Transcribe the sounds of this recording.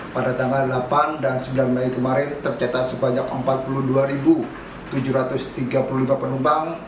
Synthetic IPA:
padat̪aŋɡaldlapandansəbəlarmlaikəmaɾɪnt̪ərt͡ʃat̪asəbaɲakəmpat̪̚puluhduaɾibu | t̪ud͡ʒuɾat̪ʊst̪iɡapululimapənumpaŋ

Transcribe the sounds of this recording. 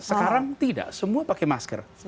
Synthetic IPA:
səkaɾaŋt̪ida̰ʔsəmuapakemaskə̰r

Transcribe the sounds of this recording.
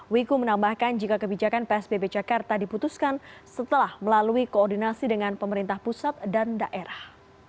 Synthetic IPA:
wikumənambahkand͡ʒikakəbid͡ʒakanpeɛsbebed͡ʒakart̪adiput̪uskansət̪əlahməlaluikoːrdinasidəŋanpəməɾint̪ahpusat̪̚dandaʔeɾah

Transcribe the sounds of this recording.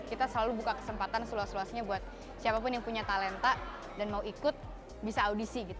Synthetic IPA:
kit̪asəlalubukakə̥səmpat̪ansəluasluasɲabuat̪̚ | siapapʊnjaŋpuɲat̪alɛnt̪a | danmauikʊt̪̚ | bisaːudisiɡit̪

